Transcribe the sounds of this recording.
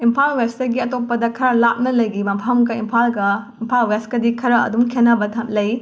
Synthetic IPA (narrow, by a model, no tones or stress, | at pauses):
impʰalwestɐɡiɐtopːɐdɐkʰɐɾalap̚nɐlɐjɡimɐmpʰɐmɡɐimpʰalɡɐimpʰalweskɐdikʰɐɾɐɐ̰dumkʰenːɐbɐtʰɐmlɐj